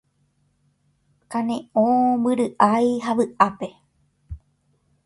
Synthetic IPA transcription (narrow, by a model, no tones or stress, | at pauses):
kanẽõbɨɾɨʔajɦaʋɨʔape̞